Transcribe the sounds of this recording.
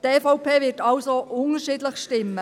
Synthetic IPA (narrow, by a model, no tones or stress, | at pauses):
tɛːfɔʊpʰeːʋɪtɑlsoʔʊnəʃiːdləχʃtɪmːə